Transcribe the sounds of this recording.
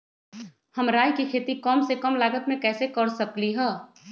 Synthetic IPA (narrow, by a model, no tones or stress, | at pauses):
hɐmɾaːjkikʰeːt̪ikɔːmsekəmlaːɡət̪mẽkɛːsekəɾsəkliɦɛː